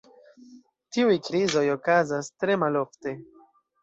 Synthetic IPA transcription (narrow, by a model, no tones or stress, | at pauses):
tiujkɾizo̞jo̞kazastɾe̞malo̞fte̞